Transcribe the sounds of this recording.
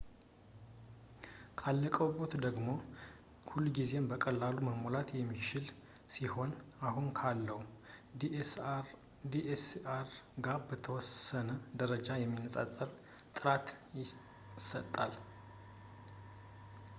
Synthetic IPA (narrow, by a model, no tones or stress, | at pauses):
kʰalːəkʼəwbo̞t̪d̪əɡmo̞ | hulːuɡize̞mbəkʼəlːaluməmolat̪jɛmːit͡ʃɪl | siho̞nahunkʰalːəhu | d̪iʔesaɾɡabət̪ʰəwɔsənəd̪əɾəd͡ʒajɛmːinːəsʼasʼəɾ | t̪ʼɨɾat̪jɪ | sət̪ʼːal